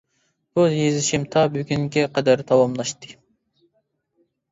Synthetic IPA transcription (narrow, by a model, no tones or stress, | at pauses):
bujezɪʃimt̪ʰɑbyɡʲyŋɡʲɛqʰɑd̪æɾt̪ʰɑwɑmlˠɑʃt̪ɨ̥